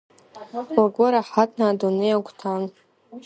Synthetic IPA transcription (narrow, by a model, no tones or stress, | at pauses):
aɡʷaɾaħatʼʰnaːdunejakʷʰtʰan